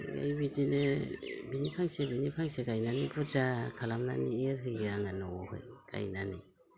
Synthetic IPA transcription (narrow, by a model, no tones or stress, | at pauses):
ḛjbidinebinipʰaŋsebinipʰaŋseɡajnanibʰuɾd͡ʒakʰalamna̰nieɾhɯɡiaŋanɔɔhɯ̰jɡ̥a̰jnanḭ